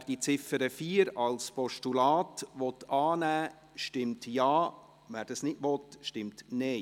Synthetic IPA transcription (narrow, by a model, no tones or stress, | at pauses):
ʋærd̥it͡sɪfəɾəfiːəɾɑlspɔʃtulɑːtʋɔt̪ɑːnæː | ʃtɪmtjɑː | mæːrd̥ɑsnɪdʋɔt̪ʃtɪmtnɛɪ